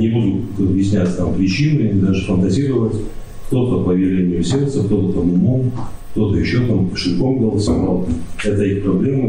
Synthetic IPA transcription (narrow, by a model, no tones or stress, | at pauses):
nʲɪbud̪ʊt̪ɐbjɪsʲnʲætʲt̪ampɾʲɪt͡ɕinɨd̪aʐɨfənt̪ɐzʲiɾəvətʲ | kt̪o̞t̪əpəvʲɪɾʲenʲɪjʊsʲe̞rt̪səkt̪o̞t̪t̪ɐmʊmomkt̪o̞t̪əjɪɕːo̞t̪ampə̥ʂɨlʲkomɡəlˠsɐmalˠɛt̪əixpɾɐblʲe̞mɨ